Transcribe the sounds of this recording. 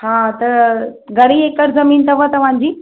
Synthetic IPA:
hãt̪əɾɡəɽiekəɾd͡zəmiːnt̪ʰəʋət̪ɐʋ̤ãɲd͡ʑiː

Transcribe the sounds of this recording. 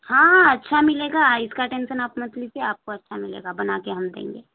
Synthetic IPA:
hãːɐtːʃʰamɪleːɡaɪskaʈẽːnʃənaːpmɐt̪liseaːp̚koɐtːʃʰamɪlḛːɡabɐnaːkeɦɐmd̪ḛ̃ːŋɡeː

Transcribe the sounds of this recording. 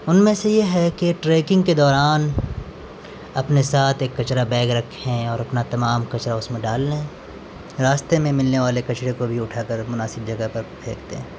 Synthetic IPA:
ʊnmẽsejeɦɛkeʈɾeːkɪ̃ŋɡked̪ɔːɾaːn | ɐpnesaːt̪ʰeːkːɐt͡ʃɾabɛ̃ːɡɾɐkʰɛ̃ɔːɾɐpnat̪ɐmaːmkɐt͡ʃɾaʊsmẽɖaːlːeɦɛ̃ | ɾaːst̪emẽmɪlneʋaːlekɐt͡ʃɾekobʱiʊʈʰaːkəɾmʊnaːsɪb̚d͡ʒɐɡəpɐɾbʱeːkʰt̪ḛɦɛ̃ː

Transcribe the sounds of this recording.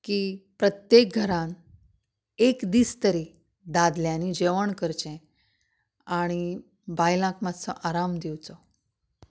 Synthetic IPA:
kiːpɾət̪jek̚ɡʱəɾãn | ekd̪iːst̪əɾi | d̪ad̪ljãnid͡ʑeʋəɳkəɾt͡ɕẽ | aɽ̃i | bajlãkmat͡sə̰ʔaɾamd̪iwt͡sɔ

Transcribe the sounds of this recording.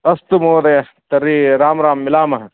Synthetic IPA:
ɐst̪umoːɾɐjɐ | t̪ɐɾiːɾaːmɾaːmːɪlaːmɐɦɐ

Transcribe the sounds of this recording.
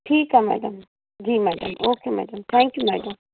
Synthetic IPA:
ʈʰiːkɦamɛ̰ɖəm | d͡ʒiːmɛːɖə̰mʔoːkeːmɛ̰ːɖəmt̪ʰɛ̃ːŋkjumɛ̰ːɖəm

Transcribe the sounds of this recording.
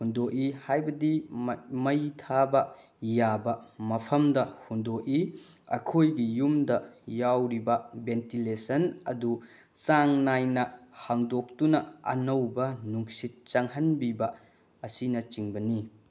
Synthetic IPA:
hundoʔihajbɐdimɐjtʰabɐ | jabɐmɐpʰɐmdɐhundoʔi | ɐ̰kʰojɡijumdɐjawɾibɐbentilesɐnɐdu | saŋnajnɐhaŋdok̚tunɐɐ̰nɐwbɐnuŋsit̚t͡ʃɐŋɦɐnbibɐ | ɐsinɐt͡ʃiŋbɐni

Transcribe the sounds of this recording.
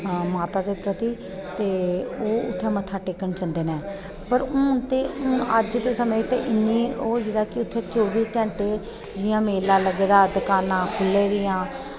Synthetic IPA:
maːt̪aːd̪eːpɾət̪iː | t̪eːoːʊ̰t̪ʰːẽːmət̪ʰːaːʈeːkːəɳt͡ʃə̃nd̪eːnɛ̃ː | pəɾʊ̃ːt̪eːʊ̃əd͡ʒd̪eːsəmet̪eʔɪnːiːoːjd̪aːkɪʊt̪ʰːẽːt͡ʃoːbiːk̪ɛ̃ːɳʈeː | d͡ʒɪjãːmeːlãːləɡeːd̪aːd̪kaːnãːkʰʊlːẽːd̪ɪjãː

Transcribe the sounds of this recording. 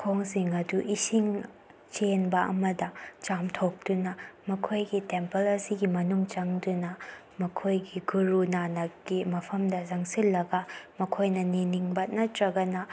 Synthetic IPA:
kʰoŋsiŋɐduʔisiŋ | t͡ʃenbɐʔɐ̰mɐdɐt͡ʃamtʰok̚dunɐmɐkʰojɡitempɐlɐsiɡimɐnuŋt͡ʃɐŋdunɐ | mɐkʰojɡiɡuɾunanɐɡimɐpʰɐmdɐzaŋsilːɐɡɐmɐkʰojnɐniniŋbɐnɐtɾɐɡɐnɐ

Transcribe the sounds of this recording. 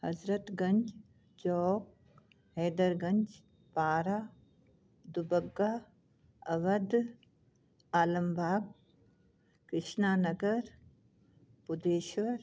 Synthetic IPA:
hɐzɾət̪ɡɐɲd͡ʒ | d͡ʒɔːk̚ | ɦeːd̪ɐɾɡɐɲd͡ʒ | paːɾaː | d̪ubɐɡːaː | ɐʋɐd̪ | aːlɐmbʱaːɡ̚ | kɾɪʃnaːnɐɡəɾ | pʊd̪eːʃʋɐɾ

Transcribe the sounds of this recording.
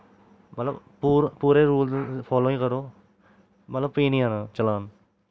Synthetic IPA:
mɐt̪ləb | puɾpuːɾẽɾuːlpʰɔːloːĩːkəɾoː | mɐt̪ləb̚piːnĩɦanat͡ʃɐlaːn

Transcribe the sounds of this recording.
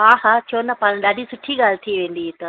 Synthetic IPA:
aːɦaːt͡ʃʰoːnapaːñɗaːɖʱisʊʈʰiɡaːlt̪ʰiʋẽːnd̪it̪ɐ

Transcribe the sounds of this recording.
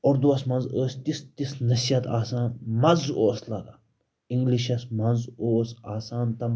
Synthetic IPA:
ɔɾd̪uɐsmɐnzəːsʲt̪ist̪isnɐsijɐt̪aːsaːnmɐnzoːslɐɡ̪a | iŋɡliʃɐsmɐnzoːsaːsaːnt̪ɐm

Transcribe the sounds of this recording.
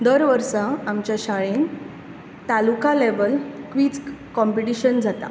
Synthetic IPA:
d̪əɾʋəɾsaamt͡ɕjaɕaɭen | t̪alukaleʋəlkʋiːd͡zkɔmpiʈiɕənd͡zʱat̪a̰

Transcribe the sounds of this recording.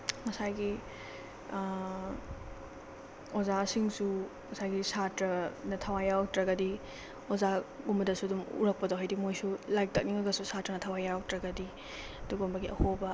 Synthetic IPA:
mɐsajɡi | ozasiŋsu | mɐsajɡisatɾɐnɐtʰɐwajawtɾɐɡɐdi | ozaɡumbɐdɐsuɐdumṵɾɐk̚pɐdowɦajdimojsulajk̚tɐk̚niŋɐɡɐsusatɾɐnɐtʰɐwajawtɾɐɡɐdi | ɐduɡombɐɡiʔɐ̰hobɐ

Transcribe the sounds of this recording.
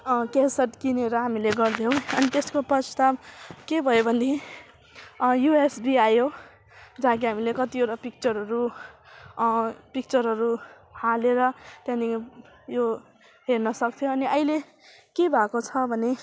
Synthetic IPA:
kesʌʈkineɾʌɦamileɡʌrd̪ʱjow̃ʌnit̪eskoprʌst̪abkebʱʌjobʱʌnd̪i | juesbiajo | d͡zaɦãk̬iɦamilekʌt̪ioɾʌpik̚t͡sʌɾɦʌɾu | pik̚t͡sʌɾɦʌɾu | haleɾʌt̪jãni | jo | ɦernʌsʌk̚t̪ʰjõʌniʌjle | kebʱakot͡sʰʌbʱʌne

